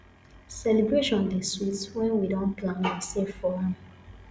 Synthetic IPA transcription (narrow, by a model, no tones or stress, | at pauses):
sɛlebɹeʃɔ̃nɔvdeswitswɛ̃nwidɔ̃nplãnisefɔlãn